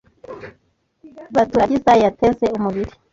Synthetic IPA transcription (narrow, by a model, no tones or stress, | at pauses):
βatuɾaɟizajjatezeumuβiɾi